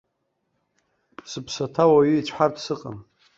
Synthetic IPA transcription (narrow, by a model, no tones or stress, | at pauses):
sɨpʰsatʰawaɥʏit͡ʃʷʰħartʰsɨqʼam